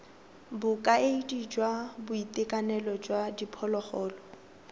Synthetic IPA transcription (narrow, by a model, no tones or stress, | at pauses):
bʊkʼaeidid͡ʒwabʊitʼɪkʼanɛlɔd͡ʒwadipʰɔlɔχɔːlɔ